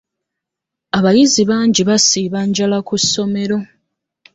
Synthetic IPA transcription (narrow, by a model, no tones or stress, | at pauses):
aβajiziβaːɲɟiβasiːβaɲɟalakusːo̞me̞ɾo̞